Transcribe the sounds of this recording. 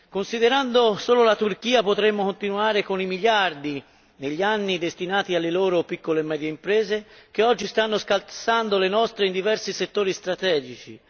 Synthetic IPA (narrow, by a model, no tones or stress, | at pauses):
konsid̪eɾand̪osoːlolat̪urk̟iːapot̪ɾemːokont̪inuaːɾekonimiʎard̪i | neʎːianːid̪est̪inaːt̪ialːeloːɾopikːolemɛːd̪jeimpɾɛːzek̟eɔd͡ʒːist̪anːoskalsand̪olenɔst̪ɾeind̪ivɛrsiset̪ːoːɾist̪ɾat̪ɛːd͡ʒit͡ʃḭ